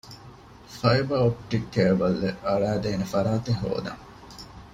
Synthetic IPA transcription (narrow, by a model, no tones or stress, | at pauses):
fɐjbɐop̚ʈikːeːʋɐlːeɐɭæːd̪eːnefɐɾaːt̪eɦo̰ːd̪ɐ̰ŋ